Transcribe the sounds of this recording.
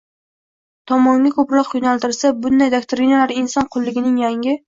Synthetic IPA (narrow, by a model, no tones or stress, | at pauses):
t̪ʰɒmɒŋɡʲakʰɵpɾɒqjʊnalˠt̪ɪɾsabʊnd̪ajd̪akt̪ʰoɾinalaɾɪnsɒnqʰʊlˠːɪɡʲɪnɪŋjaŋʲɪ